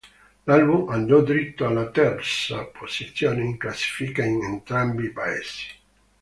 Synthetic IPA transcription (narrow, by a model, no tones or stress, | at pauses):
lalbumanːod̪iɾit̪ːoalːat̪ɛrsapʰosit̪sːjoːneiŋklasːi̥fikainent̪ɾambipaḛsi̥